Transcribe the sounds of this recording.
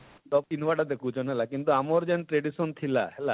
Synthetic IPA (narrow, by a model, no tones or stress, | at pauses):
ɖɔp̚inʋaʈad̪ekʰut͡ʃʰɔnɦɛlakint̪uamɔɾd͡ʒenʈɾeɖisɔnt̪ʰila̰ɦela